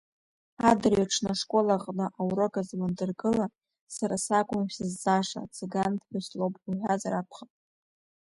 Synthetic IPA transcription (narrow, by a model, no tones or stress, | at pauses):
adɨrɥaʈ͡ʂʰnaʂkʷʼo̞laʁʼnɨʔawɾokʼazmandɨrɡɨla | saɾasakʷʼʊmʃɨzːaʂa̰t͡sʰeɡantʰħʷaslowpʼuħʷᶣazaɾakʷʰχapʼ